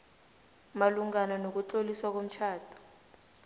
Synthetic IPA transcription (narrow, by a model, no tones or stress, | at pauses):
maluŋananok̬ut͡ɬoliswak̬om̩t͡ʃʰaːtʰu̥